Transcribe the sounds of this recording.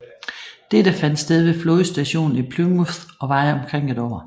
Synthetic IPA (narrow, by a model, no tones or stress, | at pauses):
d̥ed̥əfæn̰d̥sd̥eð̞ˠʋe̝floð̩ˠsd̥æɕo̝̰ːn̩ipʰlumuθɒ̽ʋɑ̈ɪɒ̽mkʰʁeŋ̰e̝d̥ɒ̰ːɐ